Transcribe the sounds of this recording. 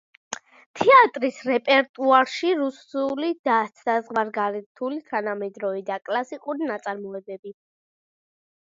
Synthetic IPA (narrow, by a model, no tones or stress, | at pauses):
t̪ʰɛat̪ʼɾisɾɛpʼɛɾt̪ʼuaɾʃiɾusulid̪̥aazʁwaɾɡaɾɛt̪ʰulit̪ʰanamɛd̪ɾɔvid̪akʼlˠasikʼuɾinat̪sʼaɾmɔɛbɛbi